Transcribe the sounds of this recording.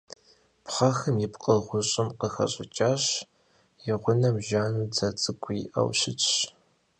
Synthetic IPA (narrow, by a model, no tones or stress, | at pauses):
pχɐxɨmjɪpqʼəʁʷʊɕʼɪmqəxɐ̰ɕʼɪ̰t͡ʃʼaːɕ | jɪʁʷʊnɐmʒaːnuːd͡zɐt͡sʼɨkʷʰʼʊiʔɐ̰wɕɪt͡ʃʼɕ